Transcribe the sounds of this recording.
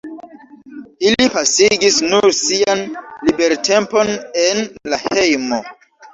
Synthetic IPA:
ilipasiɡisnuɾsianlibe̞ɾte̞mpo̞ne̞nlahe̞jmo

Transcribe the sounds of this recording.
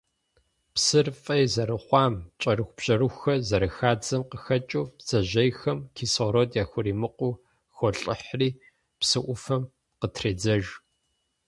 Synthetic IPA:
psɨrfʼɐjzɐɾɨχʷɑːmt͡ʃʼɐrɨxʷb̥ɕʼɐɾɨxʷxɐzɐɾɐxaːd͡zɐmqəxɐt͡ʃʼuːpz̥ɐʑɐjxɐmkʰiːsoɾotjaːxʷʊriːmɨqʷʼʊː | xɔɬʼɪħriː | psɨʔʷʊfɐm | qətʰreːd͡zɐʒ

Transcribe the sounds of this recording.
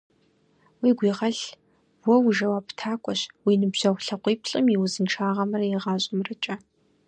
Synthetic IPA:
wiːɡʷiːʁɐɮ | wɔwʊʒɐwaːptʰaːkʷʼɔɕwiːnɨbʑ̥ɐwʷɬɐqʷiːpʰɬʼɨmiwʊzɨnʈ͡ʂʰaːʁɐmɐrɐjɪʁɑːɕʼɪmrɨt͡ʃʼɐ

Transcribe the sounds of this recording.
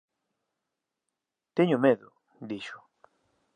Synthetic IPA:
t̪eɲʊmeðʊ | d̪iʃʊ̥

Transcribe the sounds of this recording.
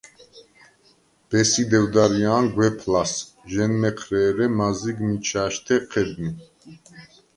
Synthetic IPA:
b̥ɛsid̪ɛwd̪aɾiaːnɡwɛpʰlasʒɛnmɛqʰɾɛːɾɛmaziɡmit͡ʃʰaːʃt̪ʰɛqʰɛd̪ni

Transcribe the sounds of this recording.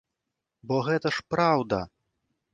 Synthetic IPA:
bɔɣɛt̪ɐʂpɾawd̪ɐ

